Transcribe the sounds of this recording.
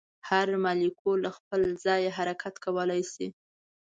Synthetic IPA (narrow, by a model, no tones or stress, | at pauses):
haɾmɑlikʰolaxpəlzɑjeɦaɾakʰat̪kawəlajsi